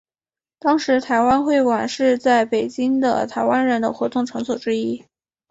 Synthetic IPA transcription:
t̪ɑ˥ŋʂɻ̩˧˥t̪ʰa˧˥ɪwa˥nxwe˥˩ɪwa˨˩nʂɻ̩˥˧t͡sa˥˩ɪpe˨˩ɪt͡ɕi˥ŋd̪ə̰˨t̪ʰa˧˥ɪwa˥nɻə˧˥nd̪ə̰˧xwɔ˧˥t̪ʊ˥˩ŋʈ͡ʂʰɤ˧˥ŋsɔ˨˩ʈ͡ʂɻ̩˥i˥

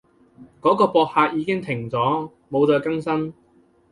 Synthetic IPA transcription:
kɔː˨˥kɔː˧pɔː˧k̚haː˧k̚jiː˨˧kɪ˥ŋt̪ʰɪ˨˩ŋt͡sɔː˨˥ | mo˨˧wt͡sɔː˧kɐ˥ŋsɐ˥n

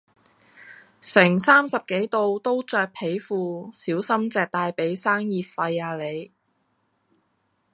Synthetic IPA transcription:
sɪ˨˩ŋsaː˥msɐ˨p̚ke˨˥jt̪o˧wt̪o˥wt͡ʃœː˧k̚pʰe˨˥jfuː˨˧siː˨˥wsɐ˥mt͡sɛː˨k̚t̪aː˧jpe˨˥jsaː˥ŋjiː˨t̚fɐ˧jaː˨˧le˨˧j

